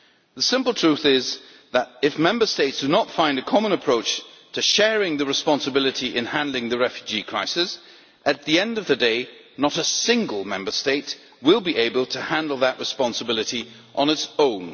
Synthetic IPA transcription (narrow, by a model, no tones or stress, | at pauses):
ðəsɪ̃mpl̩ˠtʰɹ̥ʉθɪz | ðəɾɪfmɛ̃mbə˞steɪtsd̥ɨnətfãɪ̃ndɨkʰɑmə̃nəpʰɹ̥oʊt͡ʃtʰɨʃɛɹɪ̃ŋðɨɹɨspɑ̃nsəbɪlˠɨɾiʔɨ̃nhæ̃ndˡlɪ̃ŋðɨɹɛfjʉd͡ʒikʰɹ̥aɪsɪs | ʔɨt̪̚ðiɛ̃ndʌvðɨdeɪ | nəɾəsɪ̃ŋɡəlˠmɛ̰̃mbə˞steɪt̚ | wɪlˠbiʔeɪbəl̩ˠtʰəhæ̃ndl̩ˠðəʔɹɨspɑ̃nsəbɪlˠɨɾi | ʔə̃nɨtsõʊ̃n